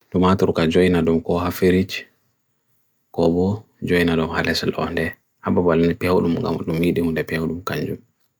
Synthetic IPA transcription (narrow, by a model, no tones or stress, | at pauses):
ɗɔmatuɾkad͡ʒojnadɔmkɔhafeɾit͡ʃ | kɔbɔ | d͡ʒojnadɔmhalɛsɛlɔ̰ndɛ | hababalinipɛwɗumŋɡa̰mɗumːiɗihundɛpɛwɗumkaɲd͡ʒum